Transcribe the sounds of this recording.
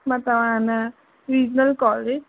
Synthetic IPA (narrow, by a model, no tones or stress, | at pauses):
mãt̪ɐʋãna | ɾiːd͡ʒnəlkɔːled͡ʒ